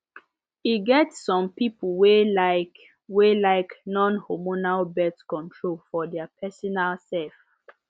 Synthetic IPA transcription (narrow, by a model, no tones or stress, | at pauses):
iɡɛtsːɔ̃mpipulwelaɪk | welaɪknɔ̃nhɔmonalbɛtkɔ̃ntʰɹolfɔdɛapʰɛsɔnalsɛlf